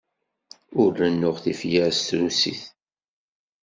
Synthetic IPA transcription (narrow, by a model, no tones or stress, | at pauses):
ʊɾənːʊʁθifjæɾst̪ɾusḭθ